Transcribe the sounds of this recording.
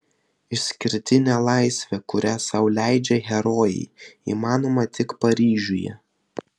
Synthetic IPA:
ɪʃʲsʲkʲɪɾʲt̪ʲɪnʲɛlˠɑɪsʲʋʲɛkʊɾʲæːsɐʊlʲæˑɪd͡ʒʲɛɣʲɛɾɔːjɛ̰ɪḭːmɑːnoːmɐt̪ʲɪkpɐɾʲiːʒʲʊjɛ̰

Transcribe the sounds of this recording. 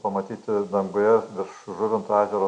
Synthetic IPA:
pɐmɐt̪ʲiːt̪ʲɪd̪ɐŋɡʊjɛʋʲɪɾʃʒʊɾʲɪnt̪ɑːzʲɛɾoː

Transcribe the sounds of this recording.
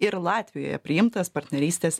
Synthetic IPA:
ɪɾlˠɑːt̪ʲʋʲɪjo̰ːjɛ̰pʲɾʲɪjɪmt̪ɐspɐɾʲt̪ʲnʲɛɾʲiːsʲt̪ʲeːs

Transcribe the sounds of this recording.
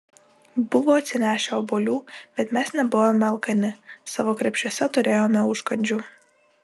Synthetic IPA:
bʊʋoːɐt̪ʲsʲɪnʲæːʃʲɛɔboːlʲuːb̥ʲɛt̪mʲɛsnʲɛbʊʋoːmʲɛɐlˠkɐnʲɪsɑʋoːkɾʲɛpʲʃʲusʲɛt̪ʊɾʲeːjoːmʲɛʊʃkɐnʲd͡ʒʲuː

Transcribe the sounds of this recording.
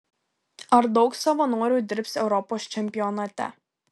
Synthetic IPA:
ɐɾd̪ɒʊksɐʋɐnuːɔɾʲuːd̪ʲɪɾʲpʲsɛʊɾɔpoːst͡ʃʲɛmʲpʲɪjɔnɐt̪ʲɛ̰

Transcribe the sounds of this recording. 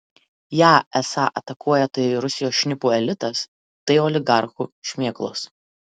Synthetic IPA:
jæːɛsɑːʔɐ̰t̪ɐkuɔjɛt̪ɐɪɾʊsʲɪjoːsʃʲnʲɪpuːɛlʲɪt̪ɐs | t̪ɐɪɔːlʲɪɡɑˑɾxuʃʲmʲeɛklˠo̰ːs

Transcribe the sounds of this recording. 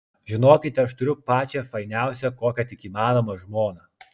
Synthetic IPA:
ʒʲɪnoːkʲɪt̪ʲɛɐʃt̪ʊɾʲʊpɑːt͡ʃʲɛfɐɪnʲæˑʊsʲɛkoːkʲɛt̪ʲɪkʲiːmɑːnoːmɐʒmoːnɐ

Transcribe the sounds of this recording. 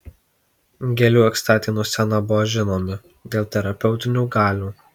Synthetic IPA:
ɡʲɛlʲuːɛkst̪ɑːt̪ʲinuːsʲɛnɐbʊʋɔʒʲɪnoːmʲɪ | d̪ʲeːlˠt̪ʲɛɾɐpʲɛʊt̪ʲɪnʲuːɡɑːlʲuː

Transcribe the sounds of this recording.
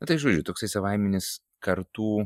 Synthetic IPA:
nʊt̪ɐɪʒoːd͡ʒʲʊt̪oːksɐɪsɐʋɐɪmʲɛnʲɪs | kɐɾt̪uː

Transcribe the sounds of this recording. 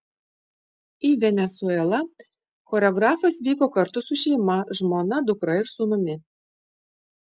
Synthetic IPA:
iːʋʲɛnʲɛsuɛlˠɐ | xoːɾʲɛɔɡɾɑːfɐsʋʲiːkoːkɐɾt̪ʊsʊʃʲɛɪmɐʒmoːnɐd̪ʊkɾɐɪɾsʊnʊmʲɪ

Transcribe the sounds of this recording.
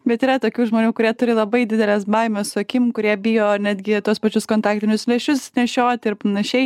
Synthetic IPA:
bʲɛt̪iːɾɐt̪oːkʲuːʒmoːnʲuːkʊɾʲiɛt̪ʊɾʲɪlˠɐbɐɪd̪ʲɪd̪ʲɛlʲɛːsbɐɪmʲossʊɐkʲɪmkʊɾʲiɛbʲɪjoːnʲæːd̪ʲɡʲɪt̪uɔspɐt͡ʃʲʊskoːnt̪ɑːk̚t̪ʲɪnʲʊslʲɛʃʲʊsnʲɛʃʲoːt̪ʲɪɾpɐnɐʃʲɛɪ

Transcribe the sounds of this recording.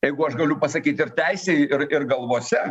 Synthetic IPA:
jɛɪɡʊɐʃɡɐlʲʊpɐsɐkʲiːt̪ɪrt̪ʲɛɪsʲɛɪɪrɪrɡɐlˠʋoːsʲɛ

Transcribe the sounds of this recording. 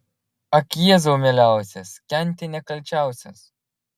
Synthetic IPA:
ɐkjiɛzoːmʲelʲæˑʊsʲɛskʲɛnʲˑt̪ʲɪnʲɛkɐlʲˑt͡ʃʲæˑʊsʲɛ̰s

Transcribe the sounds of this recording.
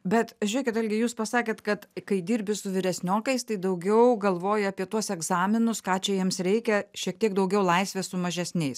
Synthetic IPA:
bʲɛt̪ʒʲʊɾʲiɛkʲɪt̪ɪlʲɡʲɪjuːspɐsɑːkʲeːt̪kɐt̪kɐɪd̪ʲiːɾʲbʲɪsʊʋʲɪɾʲɛsʲnʲoːkɐɪst̪ɐɪd̪ɐʊɡʲɛʊɡɐlˠʋoːjʊɐpʲiɛt̪uɔsɛɡzɑːmʲɪnʊskɑːt͡ʃʲɛjiɛmsɾʲɛɪkʲɛʃʲiɛk̚t̪ʲiɛkd̪ɐʊɡʲɛʊlˠɐɪsʲʋʲeːsʊmɐʒʲɛsʲnʲɛɪs

